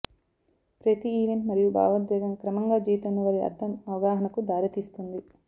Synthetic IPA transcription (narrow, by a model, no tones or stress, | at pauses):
pɾɐt̪iiːʋe̞ɳʈmɐɾijubʱa̰ːʋɐd̪jɛːɡɐmkɾɐmɐŋɡaːd͡ʒiːt̪ɐnːɐʋɐɾiɐ̰d̪ɐmɐʋɐɡaːɦɐnɐkud̪aːɾit̪iːst̪und̪i